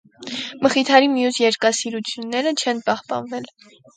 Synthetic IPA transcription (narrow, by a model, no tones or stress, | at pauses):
məχit̪ʰɑɾimijusjɛɾkɑsiɾut͡sʰjunːɛɾət͡ʃʰɛnpɑhpɑ̰nvɛl